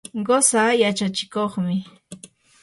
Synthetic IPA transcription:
ɢosajat͡ʃat͡ʃɪ̥koχmɪ

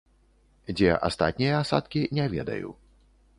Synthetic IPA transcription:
d͡zʲɛʔa̰st̪a̰t̪̚ʲnʲijɐasa̰t̪kʲinʲɛvʲɛ̰d̪ɐ̰jṵ

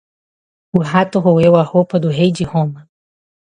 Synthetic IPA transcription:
uɦat̪oɦowewahopad̪uɦejd͡ʒihõma

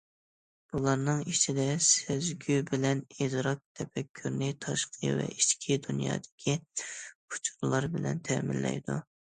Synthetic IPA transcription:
b̥ulˠɑɾnɨŋit͡ʃʰid̪ɛsezɡʲybɪlɛnezɾɑk̚t̪ʰɛpɛkʲʰːyɾnɪt̪ʰɑʃqʰə̰vɛ̰ʔiʃt͡ʃkʲʰid̪unjɑ̰ːd̪ɪ̥kʲʰipʰu̥t͡ʃʰu̥ɾlˠɑɾbɪlɛ̰nt̪ʰɛmɪlːɛ̰jd̪ṵ

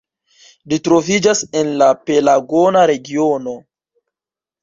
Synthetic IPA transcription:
litɾo̞vid͡ʒase̞nlape̞laɡo̞naɾe̞ɡio̞no̞

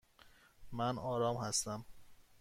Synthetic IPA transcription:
mænɒːɾɒːmhæst̪æm

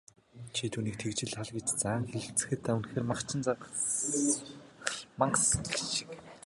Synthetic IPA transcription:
t͡ɕʰit̪ʰuːniːk̚t̪ʰekt͡ɕɪ̆ɮaɮɡet͡ɕt͡saːŋxeɮɘ̆t͡sɘ̥̆xɘ̆t̪ːæwɘnxeːrmaχt͡ɕʰɪ̆nt͡sa | ɮmaɴɢssʃɪ̥k

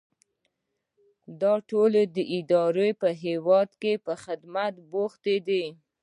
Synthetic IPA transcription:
d̪ɑʈolod̪əʔɪd̪ɑɾepəɦewɑd̪kepəxɪd̪mat̪boxt̪ed̪e

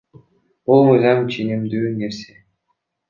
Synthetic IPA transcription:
bulˠmɯjzɑmt͡ʃʰenimd̪yːneɾse

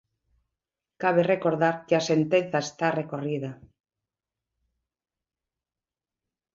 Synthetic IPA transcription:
kaβerekoɾðaɾkeasent̪en̟θaest̪arekoriða

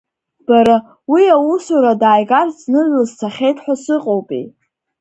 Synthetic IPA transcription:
b̥aɾa | wiawusaɾadaːjɡart͡snɨʕʷɨztʰaχʲejtʰʼħʷasɨqʼowpʼḛj

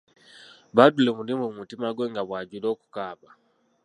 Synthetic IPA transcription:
βadulɛmulimumutimaɡwɛŋɡaβwaɟulɔku̥kaβa

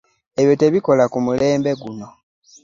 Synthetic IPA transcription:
e̞βjo̞te̞βiko̞lakumule̞ːmbe̞ɡuno̞

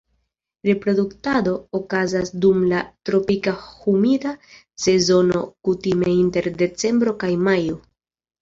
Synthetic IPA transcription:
ɾe̞pɾo̞duktado̞ːkazasdumlatɾo̞pikahumida | se̞zo̞no̞̰kutime̞inte̞ɾde̞t͡se̞mbɾo̞kajmajo

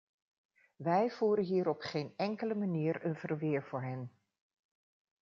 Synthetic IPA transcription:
ʋɛjv̥uːɾənɦiːɾɔpχeːnɛŋkələmaniːɹənv̥ərʋɪːɹv̥ʊːɹɦɛn

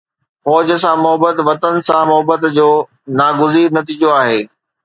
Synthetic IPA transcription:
fɔːd͡ʑəsãmʊɦəbət̪ʋɐt̪ənɪ̆sãmʊɦəbət̪d͡ʑoː | naːɡʊziːɾnɐt̪iːd͡ʑoaːɦeː

